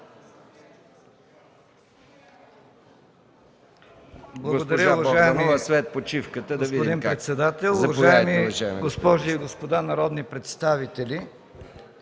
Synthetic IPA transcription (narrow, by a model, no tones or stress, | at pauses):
blˠɐɡɡod̪ɐɾʲəʊvɐʒaɛnisvɛt̪̚pot͡ʃifkət̪ədɡ̪ɐsiodd̪inpɾɛt̪sɛd̪at̪ɛlˠʊvɐʒajɛmiʒaɡospɔʒiːɡospod̪anɐɾɔd̪nipɾɛt̪st̪avit̪ɛli